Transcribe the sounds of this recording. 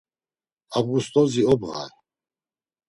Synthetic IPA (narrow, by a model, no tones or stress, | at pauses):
avɡust̪ʼɔziɔbʁa̰ɾ